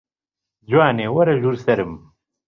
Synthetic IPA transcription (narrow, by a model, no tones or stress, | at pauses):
d͡ʑwaːneːwɐɾɐʒuɾsɐɾɨm